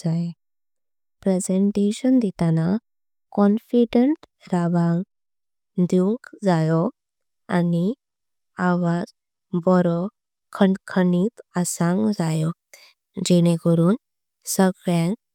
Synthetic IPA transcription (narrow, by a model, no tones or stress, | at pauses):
d͡zae | pɾɛd͡zeɳʈeɕənd̪it̪ana | kɔnfiɖəɳʈ | ɾaʋãŋɡ | d̪uŋkd͡zajɔ | ani | aʋad͡z | bɔɾɔ | kʰəɳɖkʰənit̪asãŋɡd͡zajɔ | d͡ʑɛɽ̃ekəɾuːn | səɡɭjãŋk